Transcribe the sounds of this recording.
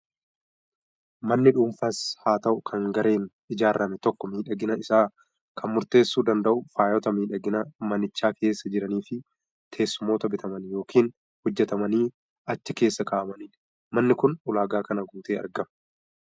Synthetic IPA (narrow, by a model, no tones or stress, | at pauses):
mɐnːɪᶑuːmfɐshaːt̪ɐʔʊkʰɐŋɡɐɾʔe̞ːn | ɪd͡ʒaːrːɐmɛt̪ɔkːɔmiːᶑɐɡɪnɐɪsaː | kʰɐnmʊɾt̪e̞ːsːuːd̪ɐnd̪ɐʔʊfaːjɔt̪ɐmiːᶑɐɡɪnɐmɐnɪt͡ʃːaːkʰe̞ːsːɐd͡ʒɪɾɐniːfɪ | t̪ʰe̞ːsːʊmo̞ːt̪ɐbɪt̪ʰɐmɐnjo̞ːkʰiːn | hʊd͡ʒːɛt̪ɐmɐniː | ɐt͡ʃːɪke̞ːsːɐkaːʔɐmɐniːᶑ | mɐnːɪkʊnʊlaːɡaːkɐnɐɡuːt̪eːʔɐ̰ɾɡɐm